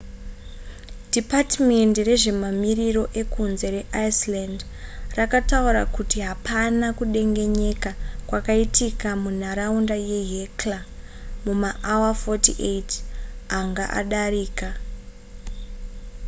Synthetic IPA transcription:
dipatme̞ndire̞ʐe̞mamiriɾo̞ʔe̞kunze̞ɾe̞ʔaisland | rakatauɾa̰kutiɦapʰanakuɗe̞ŋɡe̞ɲe̞kakwakaitʰikamun̤aɾaundaje̞ɦekla | mumaʔawafotiʔejtaŋɡa̰ʔa̰ɗaɾiːka

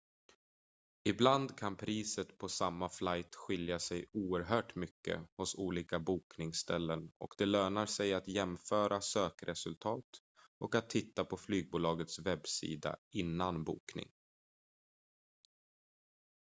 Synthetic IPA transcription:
ɪbland̪kʰanpʰɾiːsət̪pʰɔsamːaflajt̪ɧɪljasɛjuːəɾɦœːʈmʏkːə̰hʊsuːliːkabuːknɪŋst̪ɛlːənɔ̰kd̪̥ɛløːnaɾsɛjat̪jɛmfœːɾʔasøːkɾʔɛsɵlt̪ʰɑːt̪ | ʔɔkat̪ʰːɪt̪ːapʰɔflyːɡ̚buːlɑːɡət̪svɛbːsḭːd̪a̰ɪnːanbṵːknɪ̰ŋ

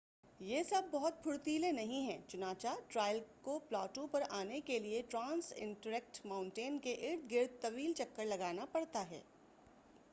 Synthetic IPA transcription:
jesɐb̚ːɔɦʊt̪̚pʰʊɽt̪iːlenɐɦĩɦɛ̃ːt͡ʃʊnaːt͡ʃaʈɾaːɪlkoplɔːʈõpɐɾaːnekelieʈɾãːnsɪ̰̃ɳʈəɾɛk̚ʈmãːʊ̃ɳʈeːnkeʔɪɾd̪̚ʰɡɪɾd̪̚t̪ɐʋiːlt͡ʃɐkːəɾlɐɡaːnapɐɽt̪aɦɛ̰ː

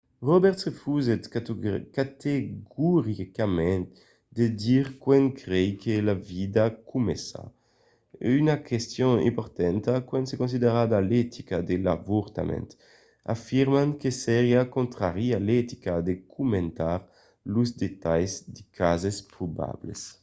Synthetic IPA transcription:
ʁɔbɛɾt̪efuzet̪kat̪eɡuɾikamɛ̃n | d̪ed̪iʁkwɛnkɾɛjkelavid̪akumesa̰ | ynakest̪jõŋḭ̃mpɔɾt̪ɛnt̪akwɛ̃nsekõns̬id̪eɾad̪alɛt̪ʰikad̪ela̰vuɾt̪a̰mɛ̰̃nt̪ | a̰fiɾmaŋkesɛɾjakõnt̪ɾaʁialɛt̪i̥kad̪ekʰumẽnt̪aɾ | luzd̪et̪ajzd̪ikʰazespɾuba̰blḛs

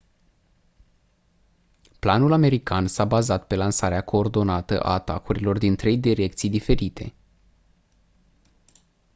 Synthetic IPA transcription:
planulame̞ɾikansabazat̪pe̞lansaɾeakʰo̞ːrd̪o̞nat̪ə̰ʔa̰ːt̪a̰kuɾilo̞rd̪int̪ɾe̞jd̪iɾe̞kt̪sijd̪ife̞ɾit̪ʰe̞̰

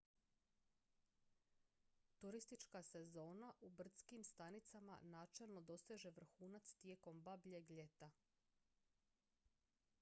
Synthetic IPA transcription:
t̪uɾist̪it͡ʃkase̞zo̞ːnaʔubr̩t̪skimst̪anit̪sama̰naːt͡ʃe̞lˠno̞d̪o̞seʒe̞ʋr̩xuːnat̪st̪je̞ko̞mbabʎe̞ɡʎe̞t̪a

